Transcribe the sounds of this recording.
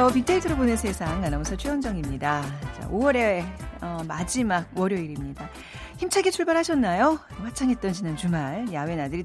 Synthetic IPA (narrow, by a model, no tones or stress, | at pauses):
ʌpit͈eitʰɯɾɯɭponɯnsʰe̞sʰaŋanamʌsʰʌt͡ɕʰiʌnd͡ʑʌŋimɲidat͡ɕa̰ʔowʌɾe̞ʌmad͡ʑimaɡ̚wʌɾjʌiɾimɲida | çimt͡ɕʰaɡet͡ɕʰuɭbaɾɦaɕʰʌnːajowat͡ɕʰaŋɦe̞t̚t͈ʌnd͡ʑinant͡ɕumaɭjawe̞nadɯɾi